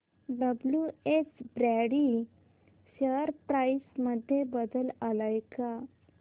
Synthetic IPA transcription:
ɖəbljuet͡sbɾaɽi | ɕəɾpɾajsməd̪ʱːjebəd̪əlalajka

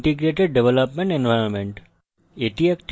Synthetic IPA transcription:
ʈiɡɾeʈeɖ̚ɖeʋeləpmẽɳʈẽnʋajɾonmẽɳʈ | eʈiekʈ

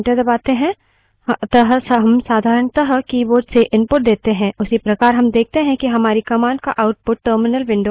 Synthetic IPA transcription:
ʈəd̪ɐbaːt̪eɦɛ̃ | t̪əɦəsɦɐmsaːd̪ʱaːɾəɳt̪ɐɦəkiʋoːʈseʔɪ̃mpʊʈ̚d̪eːt̪eɦɛ̃ʊsipɾɐkaːɾɦɐmd̪eːk̚ʰt̪eɦɛ̃kiɦɐmaːɾikɐmãːɳɖ̚ka̰ʔaːʊʈ̚pʊʈ̚ʈːəːɾmɪnəlʋɪ̃ɳɖoː

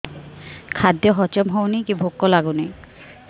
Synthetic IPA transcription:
kʰad̪ːjɔɦɔt͡ɕɔmɦownikibʱokːɔlaɡuni

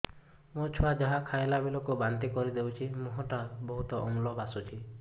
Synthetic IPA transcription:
mot͡ʃʰuad͡ʒaɦakʰaelabilokubant̪ikɔɾid̪ewt͡ʃʰimuɦɔʈabɔɦut̪ɔʔɔ̰ŋlɔbasut͡ʃʰi

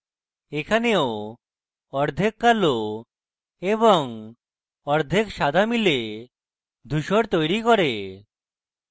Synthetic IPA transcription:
ekʰaneo | ɔɾd̪ʱekːalo | eβɔŋ | ɔɾd̪ʱekʃad̪ʱamile | d̪ʱuʃoɾt̪ojɾikɔɾe

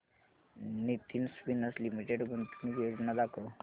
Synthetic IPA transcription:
nit̪insʋinəslimiʈeʈbənt̪unikjod͡znad̪akʰo

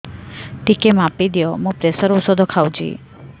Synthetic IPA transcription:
ʈikemapid̪ijɔmũpɾesəɾusɔd̪ʱɔkʰawd͡ʒḭ

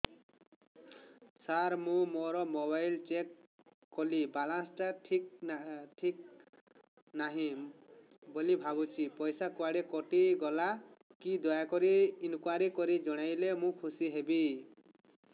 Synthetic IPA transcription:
saɾmũmɔɾɔmɔbajlt͡ʃekː | ɔlibalãsʈaʈʰik̚ʈʰik̚ | naɦĩ | bɔlibʱabut͡ʃʰipɔjsakuaɽekɔʈiɡɔlakid̪ɔjakɔɾiːnkuwaɾikɔɾid͡ʒɔɽ̃ajlemũkʰusiɦebi

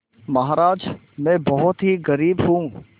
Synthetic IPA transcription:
mɐɦaːɾaːd͡ʒ | mɛ̃ːbɐɦʊt̪ɦiɣɐɾiːbɦũː

